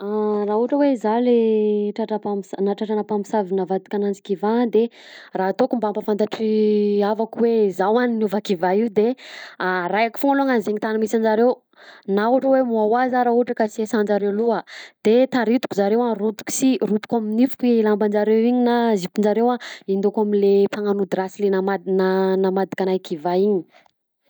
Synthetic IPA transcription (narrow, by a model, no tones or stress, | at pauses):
arauʈ͡ʂəweizaleʈ͡ʂaʈ͡ʂapamsanaʈ͡ʂaʈ͡ʂanapamisavinavat̪u̥kʲanand͡zi̥kivad̪erat̪okumbambafant̪aʈ͡ʂiavakuweizawaninuvakivaiud̪earajaki̥foŋaloŋanzeɲit̪anamisand͡ʒaɾew | nauʈ͡ʂəwemuawazaɾauʈ͡ʂəkasiesand͡ʒaɾewluəd̪̥et̪aɾit̪u̥kuzaɾewarut̪u̥ku̥sirut̪u̥kaminifu̥kiilamband͡ʒaɾewiɲinazipind͡ʒaɾewaind̪okaminlepaŋanud̪iɾasilenamananamad̪i̥kanajkivaiɲi̥